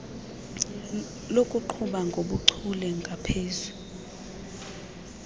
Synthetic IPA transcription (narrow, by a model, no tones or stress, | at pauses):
lokʼuǃʰuɓaŋɡʱoɓuǀʰulɛŋɡʱapʰeːzu